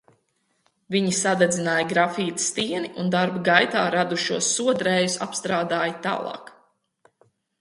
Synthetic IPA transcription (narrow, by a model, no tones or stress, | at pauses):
viɲisad̪ɛd̪zinaːjɡɾafiːt̪st̪iɛniʔund̪aɾbɡajt̪aːɾad̪uʃuɔsːuɔd̪ɾɛːjusa̰pst̪ɾaːd̪aːjt̪a̰ːlˠɑ̰ːk